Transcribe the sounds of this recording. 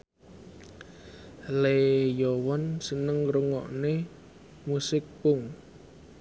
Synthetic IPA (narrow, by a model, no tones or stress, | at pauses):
lejowɔnsənəŋruŋɔʔne | musɪk̚pʊŋ